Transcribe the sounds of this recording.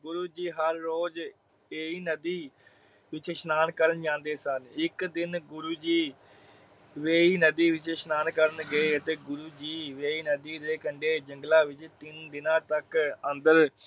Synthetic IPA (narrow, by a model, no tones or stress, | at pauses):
ɡʊɾuːd͡ʒiːɦəɾːoːd͡ʒ | eːiːnəd̪iː | ʋɪt͡ʃʃnaːnkəɾənd͡ʒãːnd̪eːsənɪkd̪ɪnɡʊɾuːd͡ʒiː | ʋeːiːnəd̪iːʋɪt͡ʃʃnaːnkəɾənɡəeːət̪eːɡʊɾuːd͡ʒiːʋeːiːnəd̪iːd̪eːkəɳɖeːd͡ʒəŋɡlaːʋɪt͡ʃt̪ɪnd̪ɪnãːt̪əkənd̪əɾ